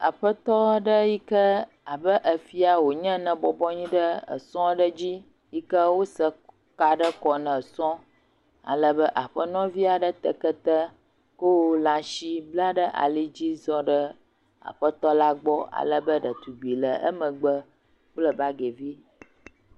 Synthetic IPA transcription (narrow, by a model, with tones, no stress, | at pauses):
a̰˨ɸə˦t̪ɔ˦ɖə˦ji˦kə˦ | a˨bə˦ʔə˨fi˦a˨wo˨ɲə̃˦nə̃˨bɔ˨bɔ˦ɲĩ˦ɖə˦ə̰˨sɔ̃˦ɖə˦d͡ʑi˦ | ji˦kə˦wo˦sə˦ | ka˦ɖə˦kɔ˨nə̃˨sɔ̃˦ | a̰˨lə˦bə˦ʔa˨ɸə˦nɔ̃˦vi˦a˨ɖə˦t̪ə˨kə˦t̪ə˦ | ko˦wo˦lã˨ʃi˦bla˦ɖə˦ʔa̰˨li˦d͡ʑi˦zɔ˦ɖə˦ | a̰˨ɸə˦t̪ɔ˦la˦ɡ͡bɔ˦a̰˨lə˦bə˦ɖə˨t̪u˨ɡ͡bi˨lə̰˨ə̰˦mə̃˨ɡ͡bə˦ | k͡plə˦ba˦ɡe˨vi˦